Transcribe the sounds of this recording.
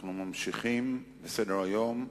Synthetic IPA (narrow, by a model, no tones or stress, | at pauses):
χnumamʃiχimbesedeʁajo̞m